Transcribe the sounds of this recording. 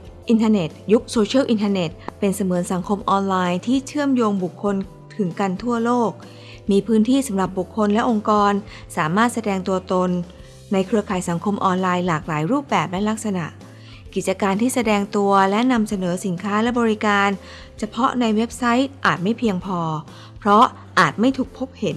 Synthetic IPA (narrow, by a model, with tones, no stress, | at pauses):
ʔi˧nt̪ʰaː˧ne˨˩t̪̚ju˦˥k̚soː˧t͡ɕʰɯ˥˩wʔi˧nt̪ʰa˧ne˨˩t̪̚pe˧nsa˧mɯː˩˦nsa˩˦ŋkʰo˧mʔɔː˧nlaː˧jt̪ʰiː˥˩t͡ɕʰɯ˥˩əmjoː˧ŋbu˨˩kʰːo˧n | t̪ʰɯ˩˦ŋka˧nt̪ʰu˥˩ɐloː˥˩k̚ | miː˧pʰɯː˦˥nt̪ʰiː˥˩sa˩˦mɾa˨˩p̚bu˨˩kʰːo˧nlɛ˦˥ʔo˧ŋkɔː˧n | saː˩˦maː˥˩t̪̚sa˧dɛː˧ŋt̪u˧ɐt̪o˧nː | a˧jkʰɾɯ˧ɐkʰaː˩˦jsa˩˦ŋkʰo˧mʔɔː˧nlaː˧jlaː˨˩k̚laː˩˦jɾuː˥˩p̚bɛː˨˩p̚lɛ˦˥la˦˥k̚sa˧na̰˨˩ʔ | ki˨˩t̪̚t͡ɕa˧kaː˧nt̪ʰiː˥˩sa˧dɛː˧ŋt̪u˧ɐlɛ˦˥na˧msa˧nɤː˩˦si˩˦nkʰaː˦˥lɛ˦˥bɔː˧ɾi˦˥kaː˧n | t͡ɕʰa˧pʰɔ˦˥na˧jwe˦˥p̚sa˦˥jt̪̚ʔaː˨˩t̪̚ma˥˩jpʰi˧əŋpʰɔː˧ | pʰɾɔ˦˥ | ʔaː˨˩t̪̚ma˥˩jt̪ʰuː˨˩k̚pʰo˦˥p̚he˩˦n